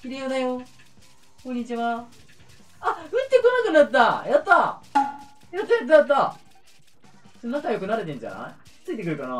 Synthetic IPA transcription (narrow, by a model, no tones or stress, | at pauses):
kiɾʲijod̪ajo̞ | kõ̞ɲ̟ːit͡ɕiβa | aɯ̟t̪ːe̞konakɯ̟nat̪ːajat̪ːa | jat̪ːajat̪̬ːajat̪̬ːa | sonakajo̞kɯ̟naɾe̞t̪ẽ̞ɲ̟d͡ʑa̰na̰i | t͡sɨit̪ekɯɾɯ̟kana